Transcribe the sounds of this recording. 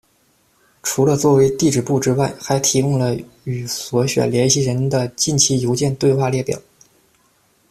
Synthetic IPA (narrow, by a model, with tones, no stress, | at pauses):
ʈ͡ʂʰu˧˥lə˧t͡swɔ˥˩we˧˥ɪt̪i˥˩ʈ͡ʂɻ̩˨˩pu˥˩ʈ͡ʂɻ̩˥wa˥˩ɪxa˧˥ɪt̪ʰi˧˥kʊ˥˩ŋlə˩ | y˨˩swɔ˧˥ɕɥɛ̰˨˩ljɛ˧˥nɕi˧˥ɻə˧˥nd̪ə˧t͡ɕi˥˩nt͡ɕʰi˧˥˩jo˧˥ʊt͡ɕjɛ˥˧nt̪we˥˧ɪxwa˥˧ljɛ˥˩pjɑ̰˨˩˦